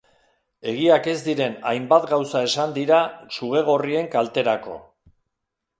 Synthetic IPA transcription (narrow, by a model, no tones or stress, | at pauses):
e̞ɣiake̞zd̪iɾe̞najmbat̪ɡawsae̞sand̪iɾasuɣ̞e̞ɣ̞o̞rie̞ŋkalt̪e̞ɾako̞̰